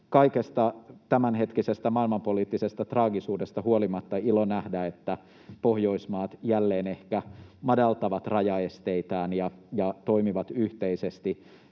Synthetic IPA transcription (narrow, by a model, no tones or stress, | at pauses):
kɑikest̪ɑt̪æmænɦet̪kisest̪æmɑilmɑmpoliːt̪ːisest̪æt̪rɑːɡisuːdest̪ɑhuolimɑt̪ːɑilonæhdæet̪ːæ | pohjo̞ismɑːt̪jælːeːnehkæmɑdɑlt̪ɑʋɑt̪rɑjɑest̪eit̪æːnjɑjɑt̪oimiʋɑt̪yht̪eisest̪i